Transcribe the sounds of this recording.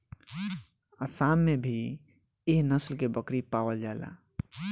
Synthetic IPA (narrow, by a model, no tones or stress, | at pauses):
asamːebʱi | eɦnəslkebəkɾipawəld͡ʒaela̰